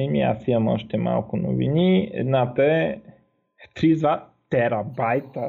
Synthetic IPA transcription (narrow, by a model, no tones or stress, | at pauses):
imia̰simɐmɔʃt̪ɛma̰lˠkʊnʊ̰vḭniɛ̰d̪nat̪əɛ | t̪ɾid̪vat̪ɛɾɐbajt̪ə